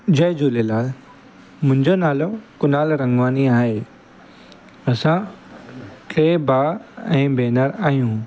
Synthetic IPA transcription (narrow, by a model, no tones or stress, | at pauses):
d͡ʑɐɪd͡ʑuːlelaːl | mʊ̃ɦɪ̃ɲd͡ʑonaːlokʊnaːlɾɐ̃ŋɡʱʋaːniaːɦe | ɐsã | ʈeːbaːɛ̃ːbeːnəɾaːɦijũ